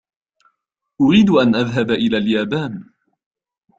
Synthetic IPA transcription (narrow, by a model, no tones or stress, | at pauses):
ʔʊɾiːd̪ʔanʔaðɦabʔɪlaːljaːbaːn